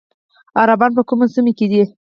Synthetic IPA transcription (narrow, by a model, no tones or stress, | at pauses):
aɾabɑnp̬əkumasəmeked̪i